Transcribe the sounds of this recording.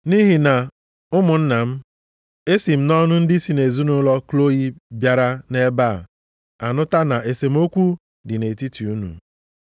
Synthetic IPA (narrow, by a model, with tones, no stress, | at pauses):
ni˦ɦi˨na˨ | ʊ˦mʊ˨n̩˦na˨m̩˦ | e˦si˨m̩˦nɔ˦nʊ˦n̩˦dɪ˦si˨ne˨zu˦nʊ˨˦lɔ˦klo˦i˦bja˨ɾa˦ne˦ba˦˨ | a̰˨nʊ˦ta˦na˨e˨se˨m̩˦o˦kʷu˦ | dɪ˨ne˨ti˦ti˨u˦nṵ˨